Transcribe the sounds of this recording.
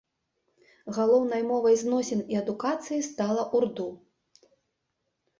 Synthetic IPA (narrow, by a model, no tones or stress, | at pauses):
ɣalˠɔwnɐjmɔvɐjznɔsʲɛniɐd̪ukat̪sɨjist̪alˠɐʔurd̪u